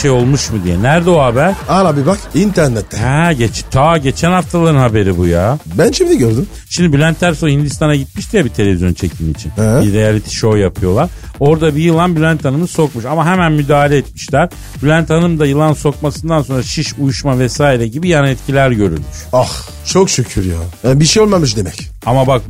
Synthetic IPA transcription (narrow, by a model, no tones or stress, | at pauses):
ʃejo̞lˠmuʃmɯd̪ijɛnæɾd̪ɛoɦabæɾ̥aɾabibakint̪ʰæɾnɛt̪ʰːɛɟet͡ʃʰt̪ʰaɟe̞t͡ʃʰænhaft̪ʰalˠaɾɯnhabe̞ɾibuja̰ːbænt͡ʃʰɛbid̪ɛɟøɾd̪ym | ʃimd̪ibylʲænt̪ʰːæɾsohind̪ist̪anaɟit̪̚miʃt̪ijabit̪ʰelʲe̞vʲizjo̞nt͡ʃʰe̞cʰimit͡ʃʰinbiɾejalʲit̪ʰi̥ʃo̞japʰɯjo̞lˠaɾ | o̞ɾd̪abijɯlˠanbylʲænt̪ʰanɯmɯso̞kmuʃamaɦemænmyd̪aːhalʲɛːt̪miʃlʲæɾ̥ | bylʲænt̪ʰanɯmd̪ajɯlˠanso̞k̚masɯnd̪anso̞nɾaʃiʃujuʃmavɛsaːiɾɛɟibijanaɛt̪cʰilʲæɾɟø̞ɾy̰lʲmyʃax | t͡ʃʰokʃycʰyɾjaɛbiʃejolˠmamɯʃd̪emɛc | amabak̚